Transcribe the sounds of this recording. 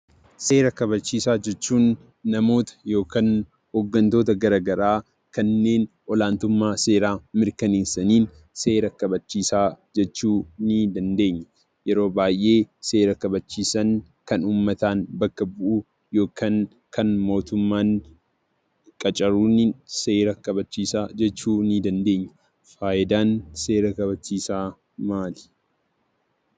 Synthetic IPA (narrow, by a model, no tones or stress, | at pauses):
se̞ːɾɐkɐβɐt͡ʃːiːsaːd͡ʒɛt͡ʃːuːnː | ɐmo̞ːt̪ɐ̥jo̞ːkan | hoːɡːɐnt̪o̞ːt̪ɐɡɐɾaːɡɐɾaː | kɐnːe̞ːn | ʔɔlaːnt̪ʊmːaːse̞ːɾaːmɪɾkɐneːsɐniːn | se̞ːɾɐkɐbɐt͡ʃːiːsaːd͡ʒɛt͡ʃːuːnɪd̪ɐnd̪e̞ːɲːɐ | jɛɾo̞ːbaːjʔe̞ːse̞ːɾɐkɐbɐt͡ʃːiːsɐŋ | kɐnuːmːɐt̪aːnbɐkːɐbʊʔu | jo̞ːkaːŋ | kʰɐnmo̞ːt̪ʊmːaːŋ | kʼɐt͡ʃʼɐɾuːnːɪse̞ːɾɐkɐbɐt͡ʃːiːsaːd͡ʒɛt͡ʃːuːnid̪ɐnd̪e̞ːɲːɐ̥ | faːʔɪd̪aːnse̞ːɾɐkɐβɐt͡ʃːiːsaː | maːl